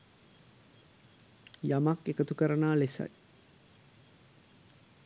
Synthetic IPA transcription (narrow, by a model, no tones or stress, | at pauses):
jamakekət̪ukəɾənaːlesa̰j